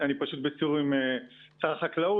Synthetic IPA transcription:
anipaʃut̪̚bet͡suʁimet͡saʁχaklau

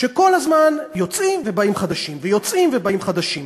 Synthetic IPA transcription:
ʃe̞ko̞lazmanjo̞t͡sʔimve̞baimχad̪aʃimvejo̞t͡sʔimvebaimχad̪aʃim

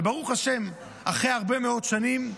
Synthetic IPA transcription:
ebaʁuχaʃe̞m | aχʁeaʁbe̞meo̞tʃanim

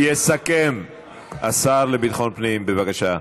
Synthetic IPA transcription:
jesakem | ʔasaʁlebit̪χo̞npniimbevakaʃa

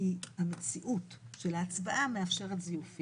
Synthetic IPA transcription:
ihamet͡siʔut | ʃe̞laːt͡svaʔameafʃe̞ʁetzijufi

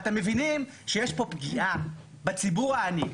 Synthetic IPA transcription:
atemːevinim | ʃejeʃpo̞pɡiʔa | bat͡sibuʁaːni

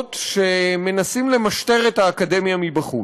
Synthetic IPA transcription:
t̪ʃe̞me̞nasimle̞maʃt̪e̞ʁethaːkade̞mjamibaχṵ

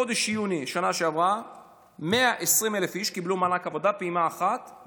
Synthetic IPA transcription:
o̞d̪eʃjuniʃanaʃeavʁa | meaʔesʁimelefiʃkiblumalakavod̪apeimaːχat̪

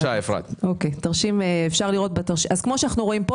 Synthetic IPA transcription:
aefʁa̰t̪okejtaʁʃimeefʃaʁliʁo̞t̪̚bat̪aʁʃiʔazkmo̞ʃanaχnuʁo̞impo

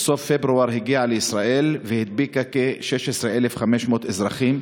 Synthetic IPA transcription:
sofːebɾuaɾɦiɡiaʕalisɾaʔelvehid̪̚bikakeʃeʃesɾeʔelefχameʃmot̪ezɾaχim

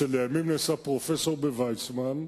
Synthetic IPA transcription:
eleamimnesapʁo̞feso̞ʁbevajt͡sman

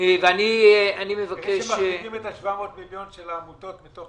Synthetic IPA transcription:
eveanianimevakeʃmaeimet̪aʃvameot̪miljonʃelaːmut̪ot̪mito

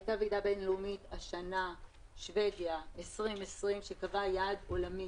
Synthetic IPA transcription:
ajtavidabe̞nlumitaʃana | ʃve̞ɡjaesʁimesʁimʃekavajaːdo̞lami

